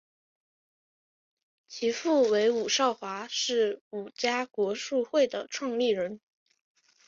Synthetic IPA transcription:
t͡ɕʰi˧˥fu˥˩we˧˥ɪu˨˩ʂɑ˥˩ʊxwa˧˥ʂɻ̩˥˩u˨˩t͡ɕja˥kwɔ˧˥ʂu˥˧xwe˥˩ɪd̪ə˩ʈ͡ʂʰwɑ˥˧ŋli˥˩ɻə˧˥n

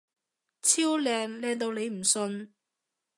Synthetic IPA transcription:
t͡sʰiː˥wlɛː˨˧ŋlɛː˧ŋt̪o˧wne˨˧jm̩˨˩sɵ˧n

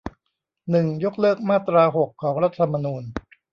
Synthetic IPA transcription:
nɯ˨˩ŋjo˦˥k̚lɤː˥˩k̚maː˥˩t̪ɾaː˧ɦo˨˩kʰːɔː˩˦ŋɾa˦˥t̪ʰːa˧ma˧nuː˧n

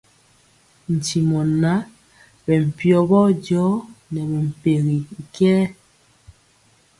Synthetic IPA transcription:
n̩˨ti˨mɔ˨na˨˦ | bɛ˨m̩˨pjɔ˨bɔ˦d͡ʒɔ˨˦nɛ˨bɛ˨m̩˨pe˨ɣi˨ŋ˨kɛː˦

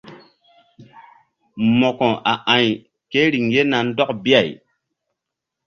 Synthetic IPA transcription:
mɔ˨kõ˨ʔa˨ʔã˨j | ke˦ɾi˨ŋje˦na˨n̩˦dɔ˦kbi˦a˨j

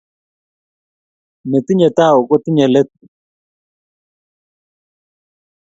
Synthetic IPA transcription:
me˨t̪i˦ɲe˨t̪a˦˨o˨kɔ˦t̪ɪ˦ɲɛ˨lɛ˦t̪̚

